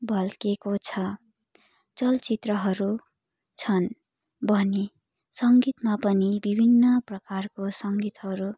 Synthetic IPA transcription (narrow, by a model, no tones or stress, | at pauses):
bʱʌlkekot͡sʰʌ | t͡sʌlt͡sit̪rʌɦʌɾu | t͡sʰʌn | bʱʌni | sʌŋɡit̪mapʌnibibʱinːʌprʌkarkosʌŋɡit̪ɦʌɾu